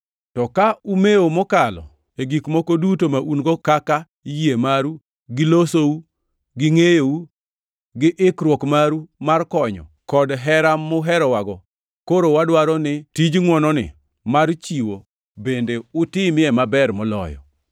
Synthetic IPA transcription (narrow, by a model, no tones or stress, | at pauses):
tɔkaumeomɔkalɔ̰ | eɡikmokodutomaʔunɡɔkaka | jemaɾu | ɡɪlosou | ɡɪŋejou | ɡɪʔɪkɾwɔkmaɾumarkɔɲɔ̰ | kɔdɦɛɾamʊɦɛɾɔwaɡɔ | koɾowadwaɾɔnɪtid͡ʒŋwɔnɔnɪ̰ | mart͡ʃiwo | bendeʊtɪmɪɛmabɛrmɔlɔ̰jɔ̰